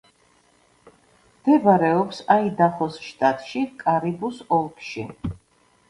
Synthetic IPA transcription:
md̪ɛbaɾɛɔpsaid̪aχɔsʃt̪ʼat̪ʼʃikʼaɾibusɔlˠkʰʃi

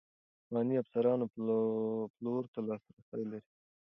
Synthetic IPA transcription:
mɑniafsaɾɑno | ploɾt̪alɑst̪aɾasajlaɾi

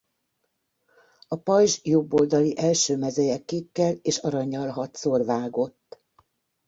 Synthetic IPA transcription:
ɒpɒjʒjobːo̞ld̪ɒliʔɛlʃøːmɛzɛjɛkːikːɛleːʃɒɾɒɲːɒlɦɒt̪sorvaːɡo̞t̪ː

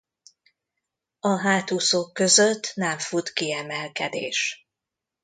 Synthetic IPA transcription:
ɒɦaːt̪uso̞kːø̞zøt̪ːnɛɱfut̪kiɛmɛlkɛd̪ḛːʃ

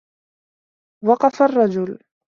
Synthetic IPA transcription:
wɑqɑfarˤːɑd͡ʒʊl

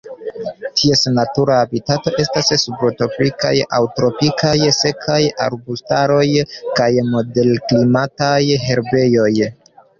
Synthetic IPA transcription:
tʰie̞snatuɾaːbitato̞ʔe̞stassubɾoto̞pɾika̰ja̰wtɾo̞pikʰajse̞kʰaja̰ɾbustaɾo̞jkajmo̞de̞lklimatajɦe̞ɾbe̞jo̞j

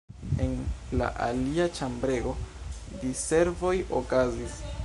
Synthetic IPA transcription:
enla̰ʔa̰liat͡ʃambɾe̞ɡo̞dise̞ɾvo̞jo̰kazis

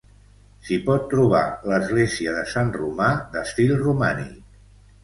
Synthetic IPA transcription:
sipɔt̪ːɾuβ̞a̰ləzɣleziəðəsanrumad̪əst̪ilˠrumanḭk

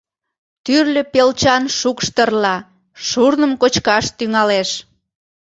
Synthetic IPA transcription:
t̪yrlʲə̆pelt͡ɕɑnʃukʃt̪ərlɑ | ʃurnəmkot͡ɕkɑʃt̪yŋɑleʃ

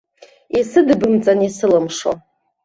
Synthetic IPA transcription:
isɨdɨbɨmt͡sʼanisɨlɨmʂo̰

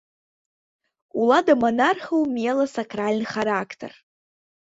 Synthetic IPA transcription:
uladamonarχowmelasakʰralʲnχaɾakʰtʰə̰r

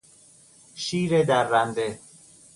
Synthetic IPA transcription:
ʃiːɾed̪æɾːænd̪e

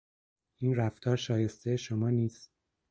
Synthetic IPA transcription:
ʔiːnɾæft̪ʰɒːɾʃɒːje̞st̪ʰejeʃomɒːniːst̪

